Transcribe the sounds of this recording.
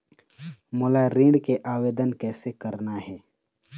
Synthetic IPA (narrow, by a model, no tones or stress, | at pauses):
mʊlaɾĩːɖkeʔaːweːd̪ənkɛːsekɐɾnaɦɛː